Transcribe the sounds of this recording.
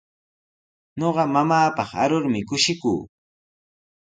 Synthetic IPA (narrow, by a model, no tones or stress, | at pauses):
ɲoɢɑmamaːpɑχa̰ɾʊɾmɪkʊʃɪkṵː